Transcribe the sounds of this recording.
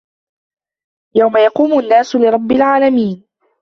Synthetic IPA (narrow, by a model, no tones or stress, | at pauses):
jawmajɑquːmʊʔanːaːsʊlɪɾˤɑbːɪlʕaːlamiːn